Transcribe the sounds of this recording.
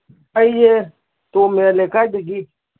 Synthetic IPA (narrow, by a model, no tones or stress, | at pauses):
aije | t̪omelekad̪iɡi